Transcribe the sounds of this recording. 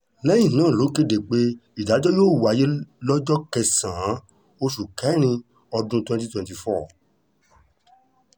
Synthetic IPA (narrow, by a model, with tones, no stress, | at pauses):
lɛ˦jĩ˦˨nãː˦˨lo˨˦ke˧de˨k͡pe˦i˨da˨˦d͡ʒɔ˦joː˦˨wa˨je˦lɔ˦d͡ʒɔ˦kɛ˧sã˨˦ | o˧ʃu˨kɛ˨˦ɾ̃ĩ˧ | ɔ˧dũ˦twɛ̃˧ti˦twɛ̃˨ti˨fɔː˦˨